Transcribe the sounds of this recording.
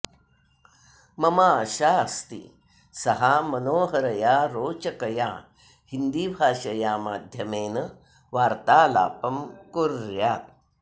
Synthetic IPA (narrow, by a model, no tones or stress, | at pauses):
mɐmaːʃaːɐst̪ḭ | sɐɦaːmɐnoːɦɐɾɐjaːɾoːt͡ʃɐkɐjaː | hind̪iːbʱaːʃɐjaːmaːd̪ʱjɐmeːnɐ | ʋaːɾt̪aːla̰ːpɐmkuɾjaːt̪̚